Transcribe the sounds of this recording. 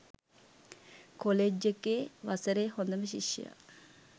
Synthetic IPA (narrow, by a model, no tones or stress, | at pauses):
koled͡ʒːekːeːʋasəɾeːhond̪əməʃ̬ḭʃːḭja̰